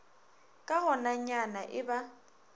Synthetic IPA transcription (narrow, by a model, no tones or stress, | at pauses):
kʼahɔnaɲanaʔɪba